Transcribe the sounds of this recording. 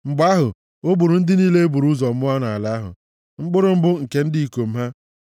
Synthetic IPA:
ŋ͡m̩˨ɡ͡ba˦ɦʊ˨ | o˦bu˨ɾu˨n̩˦dɪ˦niː˦le˦e˦bu˨ɾu˦zɔ˨m̩˦ʊ˦a˦na˨a˨la˨˦a˦ɦʊ̰˨ | ŋ͡m̩˦ɡ͡bʊ˦ɾʊ˨m̩˦bʊ˦ŋ̩˨ke˦n̩˦di˦i˦˨ko˨m̩˦ɦa˦

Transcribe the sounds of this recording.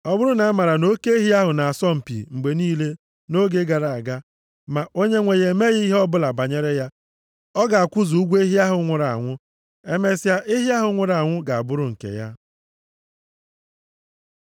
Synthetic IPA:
ɔ˦bʊ˦ɾʊ˦na˨a˦ma˨ɾa˨no˦ke˦e˦ɦi˦a˦ɦʊ˨na˨a˨sɔ˦m̩˨pḭ˨ŋ͡m̩˨ɡ͡be˨niː˦le˦ | no˦ɡe˦ɡa˨ɾa˨a˨ɡa˦ | ma˨o˦ɲe˦ŋʷe˨ɣe˨me˦ɣi˦i˦ɦɔ˦bʊ˦la˨ba˨ɲe˦ɾe˦ja˦ | ɔ˦ɡa˨a˨kʷʊ˦zu˨u˦ɡʷe˦ɦi˦a˦ɦʊ˨˦ŋʷʊ˨ɾa˨a̰˨ŋʷʊ˦ | e˦me˦sa˦ʔe˦ɦi˦a˦ɦʊ˨˦ŋʷʊ˨ɾa˨ŋʷʊ˦ɡa˨a˨bʊ˦ɾʊ˨ŋ̩˨kḛ˨ja̰˦

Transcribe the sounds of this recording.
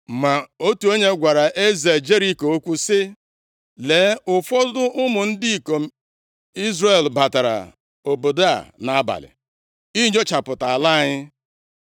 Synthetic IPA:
ma˨o˦tu˨o˦ɲe˦ɡʷa˨ɾa˨ʔe˦ze˨d͡ʒe˦ɾi˦ko˨o˦kʷu˦sɪ˦ | leː˨˦ʊ˨fɔ˦zʊ˦ʔʊ˦mʊ˨n̩˦di˦i˨ko˨m˦ | i˦zre˦˨lba˨ta˨ɾa̰˨ | o˨bo˨da̰˨na˨a˦ba̰˨lɪ̰˨ | i˦ɲo˦t͡ʃa˨pʊ˨ta˨a˨la˦˨ɲɪ˦

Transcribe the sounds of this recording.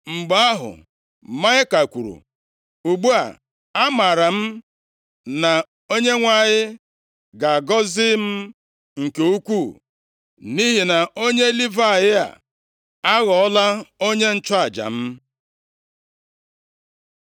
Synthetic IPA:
ŋ͡m̩˨ɡ͡ba˦a˦ɦʊ̰˨ | ma˦ɪ˦ka˨kʷu˨ɾṵ˨ | u˨ɡ͡bu˦a̰˨ | a˦ma˨ɾa˨m̩˦ | na˨ | o˦ɲe˦ŋʷa˨ɲɪ˦ | ɡa˨ɡɔ˦zɪ˦m̩˦ | ŋ̩˨ke˨u˦kʷu˦˨ | ni˦ɦi˨na˨ʔo˦ɲe˦li˦va˦a˨jɪ˦a̰˨ | a˦ɣɔ˨ɔ˦la˦o˦ɲe˦n̩˦t͡ʃɔ˦a˨d͡ʒa̰˨m̩˦

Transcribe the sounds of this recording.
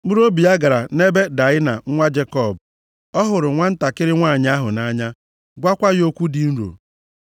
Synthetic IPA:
mu˦ɾo˦bi˨a˦ɡa˨ɾa˨ne˦be˦da˨ɪ˦na˨ŋ̩˦ŋʷa˦d͡ʒe˦kɔ˦˨b | ɔ˦ɦʊ˨ɾʊ˨ŋʷa˦n̩˦ta˨kɪ˦ɾɪ˦ŋʷaː˦˨ɲ˦a˦ɦʊ˨na˦ɲa˦ | ɡʷa˦kʷa˦jo˦kʷu˦dɪ˨n̩˦ɾo̰˨

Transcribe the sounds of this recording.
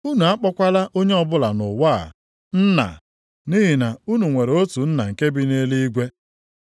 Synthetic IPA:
u˦nu˨a˦k͡pɔ˦kʷa˦la˦ʔo˦ɲe˦ɔ˨bʊ˦la˨nʊ˨wa̰ː˦˨ | n̩˦na̰˨ | ni˦ɦi˨na˨u˦nu˨ŋʷe˨ɾo˦tu˨n̩˦na˨ŋ̩˨ke˦bi˦ne˦li˦i˦ɡʷe˦

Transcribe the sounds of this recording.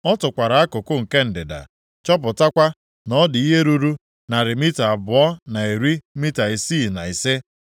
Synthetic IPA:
ɔ˦tʊ˨kʷa˨ɾa˨˦a˦kʊ˨kʊ˦ŋ̩˨ke˦n̩˨dɪ˨da̰˨ | t͡ʃɔ˦p̬ʊ˨ta˦kʷa˦ | nɔ˦dɪ˨i˦ɦe˦ɾu˦ɾu˦ | na˨ɾɪ˨mi˦ta˨bʊ˨ɔ˦na˨e˨ɾi˦mi˦ta˨i˨si˦˨na˨i˨se˦

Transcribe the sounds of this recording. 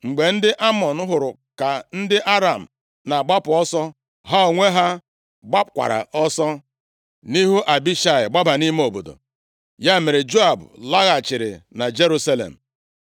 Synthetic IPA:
ŋ͡m̩˨ɡ͡be˨n̩˦dɪ˦ʔa˦mɔ˨n̩˦ɦʊ˨ɾʊ˨ | ka˨n̩˦dɪ˦ʔa˦ɾa˨m̩˨ | na˨ɡ͡ba˦pʊ˨ɔ˦sɔ˦ | ɦa˦o˨ŋʷe˦ɦa˦ | ɡ͡ba˦pkʷa̰˨ɾa̰˨ɔ˦sɔ˦ | ni˦ɦu˦ʔa˨bi˦ʃa˨ɪ̰˨ɡ͡ba˦ba˨ni˦m˦o˨bo̰˨do̰˨ | ja˦me˨ɾɪ˨d͡ʒo˦a˨bʊ˨la˦ɣa˨t͡ʃɪ˨ɾɪ̰˨na˨d͡ʒe˦ɾu˦sa˦lḛ˨m̩˨

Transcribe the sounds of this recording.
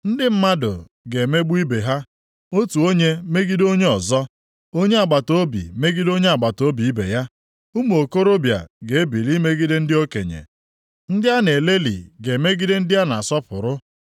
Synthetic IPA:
n̩˦dɪ˦m̩˦ma˦dʊ̰˨ | ɡe˨me˦ɡ͡bi˦be˨ɦa˦ | o˦tu˨o˦ɲe˦me˦ɡi˦do˦ɲe˦ɔ˨zɔ˦ | o˦ɲe˦a˨ɡ͡ba˨to˦bḭ˨me˦ɡi˦do˦ɲe˦a˨ɡ͡ba˨to˨˦bi˨i˦bḛ˨ja˦ | u˦m˦o˨ko˦ɾo˦bja̰˨ɡe˨e˦bi˨li˦me˦ɡi˦de˦n̩˦dɪ˦o˦kḛ˨ɲḛ˨ | n̩˦dɪ˦a˦ne˨le˦lḭ˨ɡe˨me˦ɡi˦de˦n̩˦dɪ˦ja˦na˨a˨sɔ˦pʊ̰˨ɾʊ˦

